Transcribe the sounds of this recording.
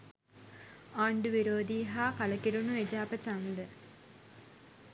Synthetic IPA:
aːɳɖuʋiɾoːd̪iːɦaːkalɐkiɾunuʋed͡ʒaːpət͡ʃaŋlə

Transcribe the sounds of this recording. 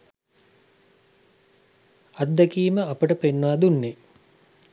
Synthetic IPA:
ad̪ːækiːməapəʈəpenːʋad̪unːe

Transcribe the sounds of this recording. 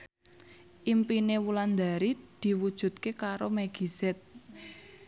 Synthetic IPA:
ʔimpinewuland̪aɾid̪̥i̤wud̥ʒ̥ṳt̪̚kekaɾomaɡ̥i̤sɛt̪̚

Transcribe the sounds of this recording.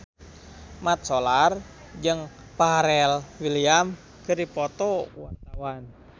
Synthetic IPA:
mat̪̚sɔlar | d͡ʒəŋ | paɾɛlwiliam | kɨripɔt̪ɔwart̪awan

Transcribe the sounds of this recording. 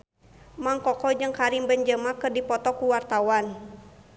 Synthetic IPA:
maŋkɔkɔd͡ʒɨŋkaɾimbənd͡ʒəmakɨrdipɔt̪ɔkuwart̪awan

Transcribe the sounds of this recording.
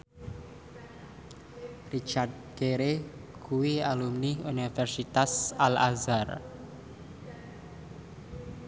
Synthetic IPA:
rit͡ʃart̪̚ɡ̥eɾeɡ̥uwialumniunifɛrsit̪asalazar

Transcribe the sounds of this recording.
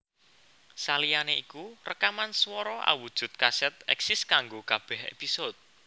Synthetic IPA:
salijaneikurəkamanswɔɾɔʔa̰wud̥ʒ̥ṳt̪̚kasɛt̪̚ɛ̰ksɪskaŋɡokab̥ɛhḛpisot̪̚

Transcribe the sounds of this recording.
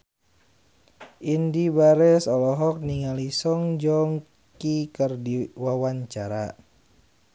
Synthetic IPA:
ʔindibaɾɛsɔlɔɦɔk̚niŋalisɔŋd͡ʒɔm | kikərdiwawaɲt͡ʃaɾa

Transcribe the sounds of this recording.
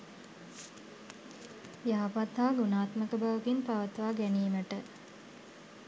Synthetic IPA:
jaapad̪ʱːaːɡunaːt̪məkəbaʋəɡinpaʋət̪əʋaːɡæniːməʈə

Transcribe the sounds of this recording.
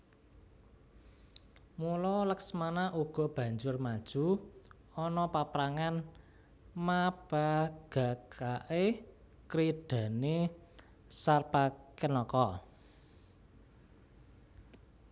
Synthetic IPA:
mulɔləksmanaʔuɡ̥ɔ̤b̥ä̤ɲd͡ʒʊrmad̥ʒ̥ṳ | ɔnɔpapɾaŋan | mab̥a̤ɡ̥a̤kʰaʔe | kɾiɖ̪̥ä̤ne | sarpakənɔkɔ

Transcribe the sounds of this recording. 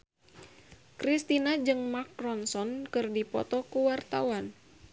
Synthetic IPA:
kɾist̪inad͡ʒɨŋmakrɔnsɔnkɨrdipɔ̰t̪ɔkuwart̪a̰uwan

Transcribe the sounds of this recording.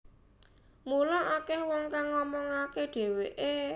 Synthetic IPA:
mulɔʔakɛhwɔŋkaŋːɔmɔŋakeɖ̥e̤weʔe

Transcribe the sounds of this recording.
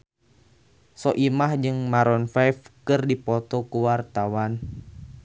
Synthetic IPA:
sɔʔimahd͡ʒɨŋmaɾɔnfajfkɨrdipɔt̪ɔkuwart̪awan

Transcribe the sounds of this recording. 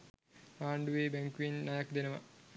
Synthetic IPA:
ɾaːɳɖuʋeːbæŋkuinːajakd̪enəʋa

